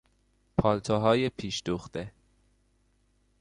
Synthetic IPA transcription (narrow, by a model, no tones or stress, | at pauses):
pʰɒːlt̪ʰoɦɒːjepʰiːʃd̪uxd̪̥e